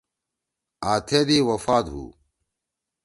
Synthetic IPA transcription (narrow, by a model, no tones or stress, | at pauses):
aːt̪ʰed̪iːwɐfaːt̪ɦṵː